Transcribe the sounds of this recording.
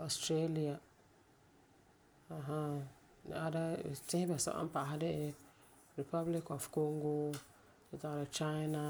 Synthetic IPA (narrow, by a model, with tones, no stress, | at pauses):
o˨stɾe˦li˦a˨ | a˨ɦa˦ | nɪ̰˨a˦da˦˨tɪ̃˦hɪ˦bɛ˨sa̰˨ʔa̰˦m˦pa˨ɦɪ˦dɪ˦ʔ | ɾi˨pa˦bli˦kɔ˨fko˦ŋɡo˦ | t͡ʃɪ˦ta˨ɾa˨t͡ʃa˦jna˦